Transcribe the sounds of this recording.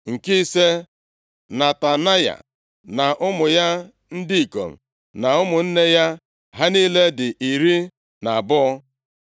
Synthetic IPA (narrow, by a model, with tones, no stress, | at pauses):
ŋ̩˨ki˦se˦ | na˨ta˨na˦ja̰˨ | na˨ʔʊ˦mʊ˨ja˦ | n̩˦dɪ˦i˨ko̰˨m̩̰˨ | na˨ʊ˦mʊ˨n̩˦ne˦ja˦ | ɦa˦ni˦le˦dɪ˨ʔi˨ɾi˦ | na˨bʊ˦ɔ˦